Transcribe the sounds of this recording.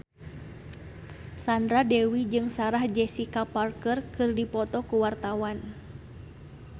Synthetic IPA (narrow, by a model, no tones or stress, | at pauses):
sandɾadɛwid͡ʒɨŋsaɾahd͡ʒɛsikaparkərkɨrdipɔt̪ɔkuwart̪awan